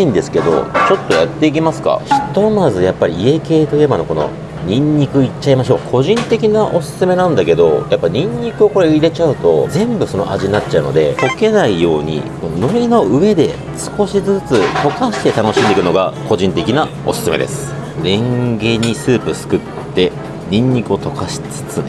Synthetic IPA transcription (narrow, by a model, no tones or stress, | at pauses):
ĩnd̪e̞sɨ̥ke̞d̪o̞̰t͡ɕo̞t̪ːo̞jat̪ːe̞ikʲimasɨ̥ka̰çi̥t̪o̞mazɨjapːaɾʲiːe̞ke̞ːt̪o̞i̟e̞bano̞ko̞no̞̰ | ɲ̟ĩɲːikɯ̟it͡ɕːaimaɕo̞ːkʰo̞ʑĩnt̪e̞kʲinaʔo̞sɨ̥sɨme̞nãnd̪ake̞d̪o̞̰japːaɲ̟ĩɲ̟ːikɯ̟o̞ko̞ɾeiɾe̞t͡ɕaɯ̟t̪o̞̰d͡zẽ̞mbɯ̟so̞no̞̰ʔaʑiɲinatt͡ɕːaɯ̟no̞̰d̪e̞̰ko̞ke̞naijo̞ːɲ̟ḭko̞nono̞ino̞ʔɯ̟e̞d̪e̞ | sɨ̥ko̞ɕizɨt͡sɨt̪o̞kaɕi̥t̪e̞t̪ano̞ɕĩnd̪eikɯ̟no̞ɡako̞ʑĩnt̪e̞kʲinao̞sɨ̥sɨme̞̰d̪e̞̰sɨ̥ | ɾẽ̞ŋɡe̞ɲ̟ːisɨːpɯ̟sɨ̥kɯ̟t̪ːe̞ | ɲĩɲ̟ːikɯo̞t̪o̞kaɕi̥t͡sɨ̥t͡sɨ